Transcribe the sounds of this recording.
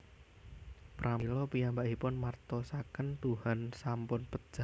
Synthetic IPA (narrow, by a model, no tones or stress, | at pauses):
pɾʔailɔpijambaʔipʊnmart̪ɔsakənt̪uhansampʊnpə̥ʒ̥a